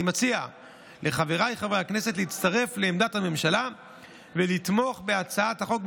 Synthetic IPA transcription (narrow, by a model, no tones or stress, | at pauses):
mat͡sia | le̞χaveʁajχavʁejakne̞se̞tliit͡st̪aʁe̞fle̞ːmd̪athame̞mʃala | velit̪mo̞χbe̞at͡saathaχo̞k̚